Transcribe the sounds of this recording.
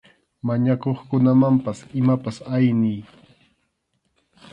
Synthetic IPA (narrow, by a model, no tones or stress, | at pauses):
maɲakoχkʊnamampasɪmapasajnɪj